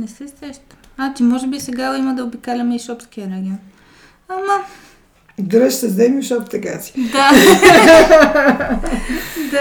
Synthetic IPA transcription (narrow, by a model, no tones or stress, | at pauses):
nɛsɛsɾɛʃt̪ | at͡ʃ̪imɔʒɛbisɛɡaoimɐd̪ɐobikalʲɐmɛiʃɔpskiəɾɛɡʲiɔn | amɐ | ɡɾɛʃt̪əzɛmiʃɔpt̪ɐkasi̥d̪a | d̪a